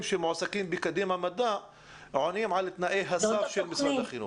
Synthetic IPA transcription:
mʃemoʕsakiːmbɪkad̪imhamad̪aʔ | ʕonimʕalɪt̪naʔeɦasafʃelmɪsaaχinṵ

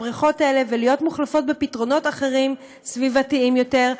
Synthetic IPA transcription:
ʁiχo̞taele̞velijo̞tmuχlafo̞t̚bepitʁo̞no̞taχe̞ʁim | svivatiimjo̞teʁ

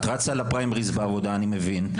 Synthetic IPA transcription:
t̪ʁat͡sjalapʁaimʁizbaːvod̪aːnimevin

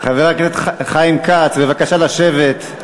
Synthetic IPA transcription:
χaveʁaklet̪χχajimkat͡sbe̞vakaʃalaʃevet̪

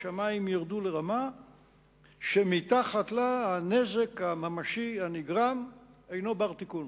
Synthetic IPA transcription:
amaimjaʁd̪uleʁama | ʃemit̪aχat̪lahaneze̞kamamaʃianiɡʁamejno̞baʁt̪ikun

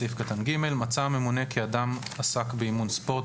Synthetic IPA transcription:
ifkat̪anɡime̞lmat͡same̞mune̞kʰiadamasakbeimunspo̞t

